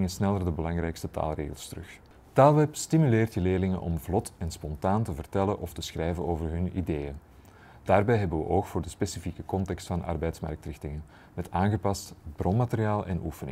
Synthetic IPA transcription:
ŋənsnɛlˠərdəbəlɑŋɾɛjkstəta̰ːlˠrḛːɣəlˠstərɵx | taːlˠʋɛpstimyleːrtjəleːlɪŋənʔɔ̰mvlɔtɛnspɔntaːntəvərtɛlənʔɔftəsxrɛjvənoːvərɦɵnḭdeːjən | d̥aːrbɛjɦɛbənʋə̰ʔoːxfoːrdəspesifikəkɔntɛkstfɑnʔɑ̰rbɛjtsmɑ̰rk̚trɪxtɪŋən | mɛtaːnɣəpɑstb̥romaterijaːlˠʔɛ̰nʔufənɪ̰

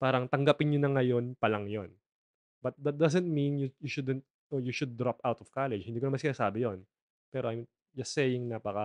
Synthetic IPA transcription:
paːɾɐŋt̪ɐŋɡɐpɪnɲonɐŋɐjo̞npɐlɐŋjon | b̥ɐt̪̚d̪ɐt̪̚d̪ɐsɛnt̪̚mĩnjujuʃud̪ɛnt̪̚ | ʔojuʃʊd̪̚ːɾapawt̪ɔvkalɛd͡ʒhɪnd̪iːkonmansɪnaːsaːbɪjon | pɛːɾoʔɐjm | d͡ʒɐsɛjɪŋnapɐkɐ

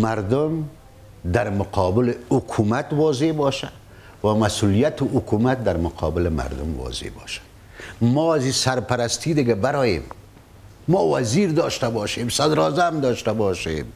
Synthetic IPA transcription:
maɾd̪ʊm | d̪aɾmʊqʰɑːbɪlɪʊkʰumat̪wɒːzebɑʃa | wamasulijat̪ɪʊkumat̪̚d̪aɾmʊqʰɔ̰bɪlɪma̰ɾd̪ʊ̰mwɔ̰zḛbɔ̰ʃḁ | mɔazisaɾpaɾast̪id̪ɪɡabaɾɔːjḛmː | ɔwaziɾd̪ɔʃt̪abɔʃemsad̪ɾɔːzamd̪ɔːʃt̪abɔʃḛm

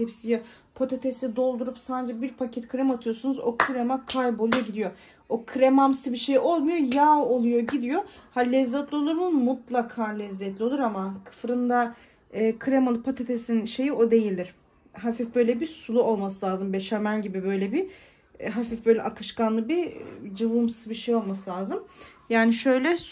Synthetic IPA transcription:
epsie | pʰot̪ʰet̪ʰesɛd̪o̞lˠd̪uɾupsand͡ʒɛbiɾpʰacʰɛt̪kʰɾɛmat̪ʰɯjo̞sunuzo̞kʰɯɾemakʰajbolˠujo̞ɟid̪ijo̞ | okʰɯɾemamsɯbiʃejo̞lˠmujo̞jaːolˠujo̞ɟid̪ijo̞halʲɛzːɛt̪lʲio̞lˠuɾnunmut̪lˠakʰaːlʲɛzːɛt̪lʲio̞lˠuɾamakʰɯ̥fɾɯnd̪aː | kʰɯɾemalˠɯpʰat̪ʰet̪ʰesinʃe̞jio̞d̪e̞jilʲd̪iɾ̥ | ɦafifbø̞jlʲɛbisulˠuo̞lˠmas̬ɯlʲˠaːzɯmbɛʃamælʲɟibibø̞jlʲɛbi | ɦafifbø̞jlʲɛʔakʰɯʃkanlˠɯbid͡ʒɯvɯmsɯbiʃejo̞lˠmasɯlʲˠaːzɯmjaːniʃø̞jlʲɛ

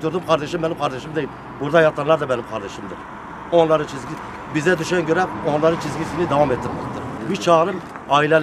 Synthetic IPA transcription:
t̪oɾd̪ɪmqʰɑɾd̪ɛʃɪmːɛnimqʰɑɾd̪ɛʃimd̪ejim | buɾd̪ɑjɑt̪ʰːɑnlˠɑɾd̪ɑmɛnimqʰɑɾd̪ɛʃimd̪ɪɾ | onlˠɑɾɯt͡ʃʰizɡʲi | bizɛd̪yʃɛnɡʰøɾɛonlˠɑɾɯnt͡ʃʰizɡʲisinɪd̪ɑwɑmet̪ʰːɪɾmɑ̰t̪ːɨɾbyt͡ʃʰɑːɾɯm | ɑilɛl

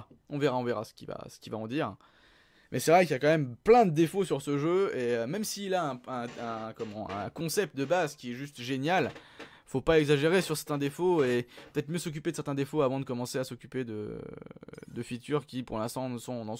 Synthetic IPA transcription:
ɔ̃veʁaɔ̃veʁa̰sə̥kʲiva̰sə̥kʲivaɑ̃d̪iːʁ | mʔɛsɛvʁɛkljakɑ̃mɛmplɛ̃d̪əd̪efosyʁsəʒøeømɛmsiːlaɛ̃ɛ̃ɛ̃kɔmɑ̃ɛ̰̃kɔ̃sɛp̚t̪̚d̪əbazkʲiɛʒyst̪ʒenjal | fopaɛɡzaʒeʁesyʁsɛʁt̪ɛ̃d̪efoepø̥t̪ɛt̪χmjøsɔk̬ʲyped̪əsɛʁt̪ɛ̃d̪efoavɑ̃d̪əkɔmɑ̃seasɔkʲyped̪ə̰ | d̪əfit̪yʁkʲipuʁlɛ̃st̪ɑ̃sɔ̃d̪ɑ̃

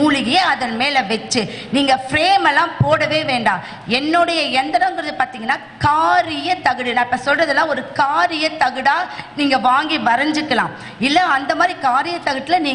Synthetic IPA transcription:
uːɭɪɣɐjeːɐðɐnmeːlɐʋɛt͡ʃːɯ | niːŋɡɐfɾeːmɛlːãːpoːɽɐʋeːʋeːɳɖaː | ɛnːɔːɽɐjɐɛnd̪ɐɾɐ̃ŋɡɪɾɐðɯpaːɾt̪iːŋɡɐnːaːkaːɾɪjɐt̪ɐɣɯɽɯnãːɪpːɐsɔlrɐðɯlːãːɔɾɯkaːɾɪjɐt̪ːɐɣɯɽaːniːŋɡɐʋaːŋɡiʋɐɾɐɲd͡ʒɯkːɐlã̰ː | ɪlːɐɐnd̪ɐmaːd̪ɾikaːɾɪjɐt̪ːɐɣɐʈ̪ːɪlɐniː

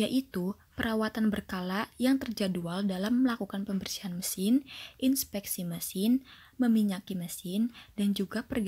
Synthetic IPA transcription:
jaʔit̪u | pəɾawat̪anbərkalaʔjaŋt̪ərd͡ʒadualdalamːəlakukanpəmbərsiɦanməsɪnʔinspɛk̚siməsɪn | məmiɲakiməsɪndand͡ʒuɡapərɡ

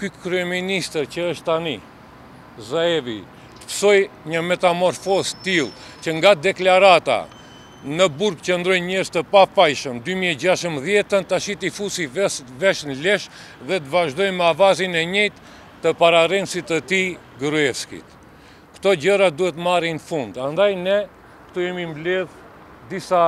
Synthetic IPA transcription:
kykɾyɛminist̪əɾcəəʃt̪ːani | zaɛvḭ | t̪ə̥fsɔjɲəmɛt̪amɔɾfɔzt̪ilˠ | t͡ɕəŋɡad̪ɛklaɾat̪a̰ | nəbuɾkt͡ɕənd̪ɾɔjɲɛɾzt̪əpafajʃəmd̪ymiɛd͡ʑaʃəmðjɛt̪ːənt̪aʃit̪ifusivɛʃnlɛʃ | ðɛt̪əvaʒd̪ɔjmɛavazinɛɲɛjt̪ː | əpaɾarɛnsit̪ət̪i | ɡɾuɛfskḭt̪ | kt̪ɔd͡ʑəɾad̪uhɛt̪maɾinfund̪and̪ajnɛ | kt̪ɔjɛmimblɛð | d̪isa

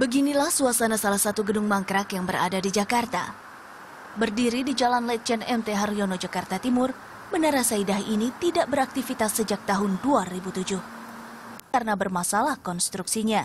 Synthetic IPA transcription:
bəɡinilahsuasanasalahsat̪uɡədʊŋmaŋkɾakjaŋbəɾa̰dadid͡ʒakart̪a̰ | bərdiɾidid͡ʒalanlɛt͡ʃɛnɛmt̪eɦarionod͡ʒakart̪at̪imʊr | mənaɾasaidaɦinit̪idaʔbəɾak̚t̪ifit̪asːəd͡ʒak̚t̪aɦʊnduaɾibut̪ud͡ʒʊh | karnabərmasalahkɔnst̪ɾuksiɲa

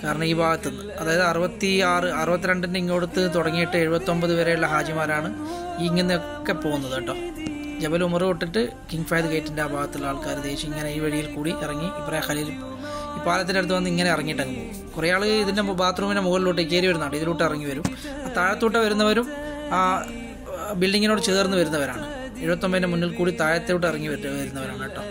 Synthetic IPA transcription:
kaːɾɐɳɐmiːbʱaːɡɐt̪ːunːɨɐðaːjɐðɨɐrɨbɐt̪ːiaːrɨɐrɨbɐt̪̬ːiɾeɳɖindeiŋːoːɽut̪ːɨt̪oɽɐŋːijiʈːɨeɻubɐt̪ːo̞mbɐðɨʋeɾejuɭːɐɦaːd͡ʑjɐmaːɾaːɳɨ | iːŋːenːejokːe̞po̞ːɣunːɐðɐʈːoː | d͡ʑebɐlumɐrɨoʈːiʈːɨ | kiŋɡfɐjd̪ɨkɐjʈːindeaːbʱaːɡɐt̪ːiɭːɐaːɭkaːɾud̪eːɕiiŋːɐneiːʋɐɻijilkuːɽiʔirɐŋːiipːrɐjaxɐlijil | iːpaːlɐt̪ːindeɽɐt̪ːɨʋɐnːiŋːɐne̞irɐŋːiʈːɐnːu | kurɐjaːɭɨiðindebaːt̪ruːminemuɣɐliluːʈːekːeːɾiʋɐɾunːaːɳɖiðiluʈːeirɐŋːiʋɐɾum | at̪aːɻɐt̪ːuʈːeʋɐɾunːɐʋɐɾum | a | bilɖiŋːino̞ːɽɨt͡ɕeðɐrnːɨʋɐɾunːɐʋɐɾaːɳɨ | e̞ɻubɐt̪ːo̞mbɐðinemunːilkuːɽit̪aːɻɐt̪ːejuʈːeɐrɐŋːiʋɐɨʋɐɾunːɐʋɐɾa̰ːɳɨɐʈːoː

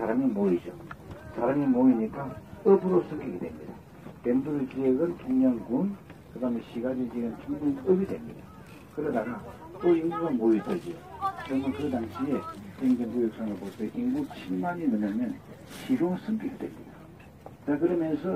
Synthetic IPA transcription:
saɾamimoid͡ʑo | sʰaɾamimoiɲik͈aʌbuɾosʰɯŋɡiɡedwe̞̰mɲḭd̪a | penduɾɯd͡ʑieɡɯntuŋɲʌnkun | kɯdameɕʰiɡad͡ʑid͡ʑieɡɯnt͡ɕʰumanenʌbidwe̞̰mɲid̥̪a | kɯɾʌdaɡa | t͈oiŋɡuɡamoidod͡ʑioɾʌmɯnkɯdaŋɕʰietendendujʌk̚s͈aŋɯɭbotʰeʔiŋɡuk̚ɕʰimaɲimɯɲamjʌn | ɕʰiɾosʰɯmbiɡidwe̞̰mɲida | t͡ɕakɯɾʌmjʌnsʰʌ

